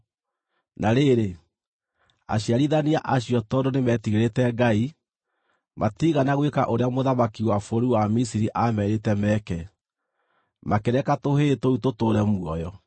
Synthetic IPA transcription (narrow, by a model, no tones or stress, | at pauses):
naɾeɾe | a̰ɕiaɾiðaniaʔaɕiɔtɔdonemɛtiɣeɾetɛɡai | mʔatiɣanaɣwekaʔoɾeamoðamakiwafoɾuwamisiɾiʔamɛɾetɛmɛkɛ | makeɾɛkatoɦetoutotoɾɛmwɔjɔ